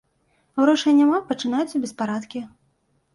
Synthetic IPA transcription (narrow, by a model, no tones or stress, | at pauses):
wɾɔʂɨjnʲːamapɐt͡ʂɨnajut̪sːɐbʲɛspaɾat̪kʲi